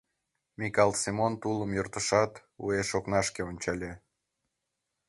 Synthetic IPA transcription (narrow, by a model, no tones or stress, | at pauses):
mikɑlˠsimont̪uləmjort̪əʃɑt̪ṵeʃoknɑʃkeonʲt͡ɕɑlʲe